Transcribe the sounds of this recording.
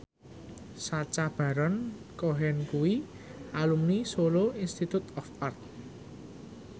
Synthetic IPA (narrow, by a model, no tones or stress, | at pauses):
sat͡ʃab̥a̤ɾɔn | koɦɛnkuwi | ʔalumnisoloinst̪it̪ut̪ɔfart̪̚